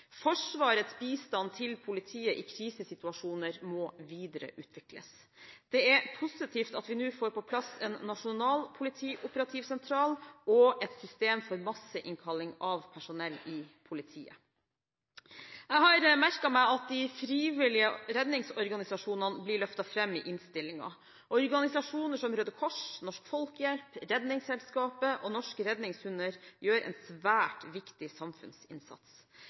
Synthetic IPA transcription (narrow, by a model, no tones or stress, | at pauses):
fɔʂʋɑːɾət̪sbiːst̪ɑnt̪ʰɪlpʰʊlɪt̪ʰiːəʔɪkʰɾiːsəsɪt̪ʉɑʂuːnəɾmɔʋiːd̪əɾə̰ʔʉːt̪ʰʋɪklə̰s | d̪̥ɛæɾpʰʊsɪt̪ʰiːft̪ɑt̪ʋɪnʉːfoːɾpɔpʰlɑsɛnːɑʂʊnɑːlpʰʊlɪt̪ʰiːʔʊpəɾɑt̪ʰiːʋsɛnt̪ʰɾɑːlɔɛt̪sʏst̪eːmfɔɾmɑsəʔɪŋkʰɑlɪŋɑʋpʰæʂʊnɛlːɪpʰʊlɪt̪ʰḭːə̰ | ɛɦɑɾmæɾkɑmæɪɑt̪̚d̪ɪfɾiːʋɪlɪəɾɛd̪nɪŋsɔɾɡɑnɪsɑʂuːnɑnəblɪɭœft̪ɑfɾɛmːɪʔɪnst̪ɪlːɪŋɑ̰ | ʔɔɔɾɡɑnɪsɑʂuːnəʂɔmɾøːd̪əkʰɔʂnɔʂkfɔlkjɛlpɾɛd̪nɪŋsɛlskɑːpəʔɔnɔʂkəɾɛd̪nɪŋsʉnəɾjøːɾʔɛ̰ɪnsʋæːʈʋɪkt̪ɪsɑmfʉ̰nsɪ̰nsɑ̰t̪s